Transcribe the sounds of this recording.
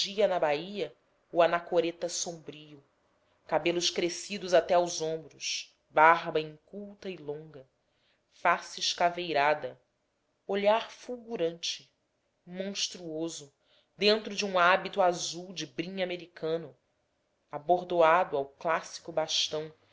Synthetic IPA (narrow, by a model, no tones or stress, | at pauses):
d͡ʒiɐnɐbaiɐ | uanakoɾet̪ɐsõmbɾijʊ | kabelʊʃkɾesid̪ʊzat̪ɛawzõmbɾʊʃ | baɾbɐĩŋkuwt̪ɐilõŋɡɐ | fasɪːʃkavejɾad̪ɐ | oʎaɾfuwɡuɾɐ̃nt͡ʃɪ | mõʃt̪ɾuozʊ | d̪ẽnt̪ɾʊd͡ʒɪũabit̪uazuwd͡ʒɪbɾĩɲameɾikʰɐ̃nʊ | aboɾd̪oad̪ʊawklasi̥kʊbaʃt̪ɐ̃w̃